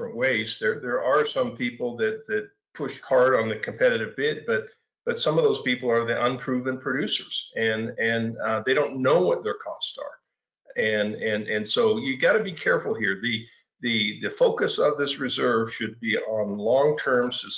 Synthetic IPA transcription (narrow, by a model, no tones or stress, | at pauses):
fɹə̃nʔweɪzðə˞ðə˞ʔə˞sʌ̃mpʰipl̩ˠðɨt̪̚ðɨt̚ | pʰʊʃkʰɑɹɾn̩ðɨkʰɨ̃m̩pʰɛɾɨɾɨvbɪt̚b̥ʌt̚ | b̥ʌtsʌ̃mʌvðoʊz̥pipl̩ˠə˞ðiʔə̃npʰɹ̥ʉvɨ̃npʰɹ̥ɨdʉsə˞z̥ɨ̃nɨ̃nðeɪɾõʊ̃nːoʊwʌt̪̚ðə˞kʰɔstsə̰˞ | ɨ̃nɨ̃nɨ̃nsoʊjɨɡɑɾɨbikʰɛɹfl̩ˠhiɹðɨ | ðɨðɨfoʊkɨsʌvðɪsɹɨzɜ˞v̥ʃɨd̚biʔə̃nlɔ̃ŋtʰɜ̃˞mz̥ɨ